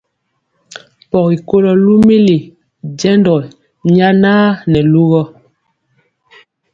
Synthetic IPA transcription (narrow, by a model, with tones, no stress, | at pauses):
pɔ˨ki˨ko˦lɔ˦lu˦mi˦li˨ | d͡ʒɛ˦ndɔ˨ | ɲa˦naː˦nɛ˨lu˦ɣɔ˦